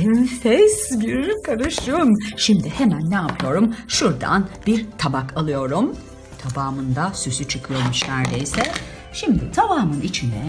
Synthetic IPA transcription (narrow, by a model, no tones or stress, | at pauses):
ɛnfɛsbyɾylykʰaɾɯʃumʃimd̪ihemænːɛapʰɯjo̞ɾumʃuɾd̪a̰nbiɾt̪ʰabakʰalˠɯjo̞ɾum | t̪ʰabaːmɯnd̪asysyt͡ʃʰɯkʰɯjo̞ɾmuʃnæɾd̪ḛjsɛ | ʃimd̪ɪ̰t̪ʰabaːmɯnit͡ʃʰind̪ɛ̰